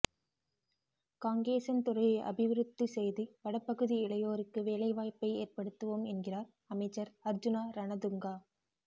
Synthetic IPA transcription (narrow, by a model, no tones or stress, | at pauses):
kaːŋɡeːsɐnt̪ʊɾɐɪjɐ̰bɪʋɪɾɯt̪ːisɛjðiʋɐɽɐpːɐɣɯðiɪɭɐjoːɾɯkːɯʋeːlɐɪʋaːjpːɐɪeːɾpɐɽɯt̪ːɯʋoːmɛnɡɪraːɾ | ɐmɐɪt͡ʃːɐɾɐɾd͡ʒɯnaːɾɐnɐd̪ɯŋɡaː